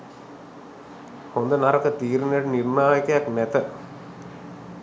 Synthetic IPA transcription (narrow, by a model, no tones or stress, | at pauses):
hond̪ənaɾɐkət̪iːɾineʈənirɳaːjɐkəjaknæt̪ə